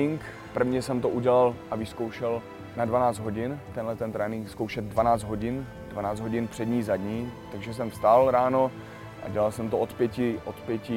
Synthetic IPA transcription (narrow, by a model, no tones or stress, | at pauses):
ɪŋk | pr̩vɲɛsɛmt̪oʔuɟɛlalʔavɪsko̞wʃɛl | nadvanaːt͡sd̪ɦo̞ɟɪnt̪ɛnlɛt̪ɛnt̪ɾɛːnɪŋkskowʃɛt̪̚dvanaːt͡sd̪ɦo̞ɟɪn | dvanaːd͡zd̪ɦo̞ɟɪnpr̝̥ɛdɲiːzadɲiːt̪aɡʒɛs̬ɛmfst̪alɾaːno̞ | ʔa̰ɟɛlalsɛmt̪oʔot̪pjɛcɪʔot̪pjɛcɪ